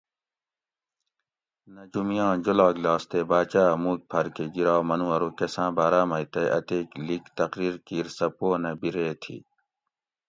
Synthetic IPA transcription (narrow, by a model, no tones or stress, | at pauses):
nɐd͡ʑumijãːd͡ʑolaːɡlaːst̪eːbaːt͡ɕaːmuːk̚pʰɐɾkeɡiɾaːwmɐnuwɐɾoːkesãːbaːɾaːmɐjt̪eʔɐ̰t̪eːklikt̪ɐqɾiːɾkiːɾsɐpoːnebiɾeːt̪ʰḭː